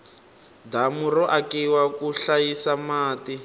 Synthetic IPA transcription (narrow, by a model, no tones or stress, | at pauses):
damurɔʔakiwakuɬajisamaːti